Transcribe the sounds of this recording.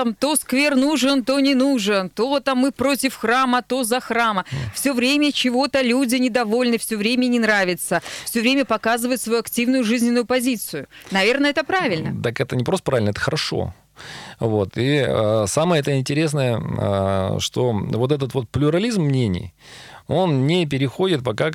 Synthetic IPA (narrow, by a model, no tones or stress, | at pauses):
mt̪o̞skvʲernuʐɨnt̪o̞nʲɪnuʐɨnt̪ot̪amːɨpɾo̞tʲɪfxramət̪o̞zɐxraməfsʲɵvɾʲemʲət͡ɕɪvo̞t̪əlʲudʲɪnʲɪd̪ɐvo̞lʲnɨfsʲɵvɾʲemʲənʲɪnɾavʲɪt̪səfsʲɵvɾʲemʲəpɐkazɨvəjʊt̪svɐjuɐktʲivnʊjʊʐɨzʲnʲɪnːʊjʊpɐzʲit̪sɨjʊnɐvʲe̞rnəɛt̪əpɾavʲɪlʲnət̪akɛt̪ənʲɪpɾost̪əpɾavʲɪlʲnəɛt̪ə̥xəɾʔɐʂo̰ | vo̞t̪iəsaməjəɛt̪əɪnʲtʲɪɾʲes̬nəjə̰ | ʂt̪o̞̰vo̞t̪̬ɛt̪̬ət̪vo̞t̪̚plʲʊɾɐlʲizmːnʲenʲɪ̰j | o̞nnʲɪp̬ʲɪɾʲɪxo̞dʲɪt̪̚pɐka